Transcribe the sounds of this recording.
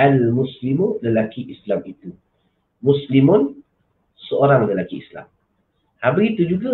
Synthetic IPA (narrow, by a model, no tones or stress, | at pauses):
almũslimoləlakiʔislamit̪u | muslimʊn | səoɾaŋləlakiḭsla̰m | habəɡit̪ud͡ʒuɡa